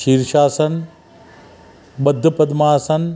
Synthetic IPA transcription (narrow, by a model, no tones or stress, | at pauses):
ʃiːɾʃaːsɐn | ɓɐd̪ʱːəpɐd̪maːsɐn